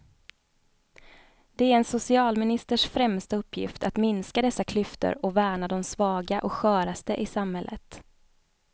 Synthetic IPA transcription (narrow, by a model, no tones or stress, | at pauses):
d̪̥ɛæɾɛnsʊsɪɑːlmɪnɪst̪əʂfɾɛmst̪aɵpʰːjɪ̰ft̪ʰat̪mɪnskad̪ɛsːakʰlʏft̪ə̰ɾɔvæːɳad̪ɔmsvɑːɡaʔɔkɧœːɾast̪əʔɪsamhɛlːʔə̰t̪